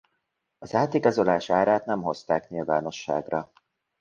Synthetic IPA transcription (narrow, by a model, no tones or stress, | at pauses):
ɒzaːt̪iɡɒzo̞laːʃaːɾaːt̪nɛmɦo̞st̪aːknilva̰ːno̞ʃːa̰ːɡrɒ